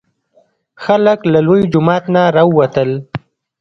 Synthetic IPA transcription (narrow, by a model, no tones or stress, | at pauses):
xaləklalojd͡ʒʊmɑt̪naɾɑəwat̪əl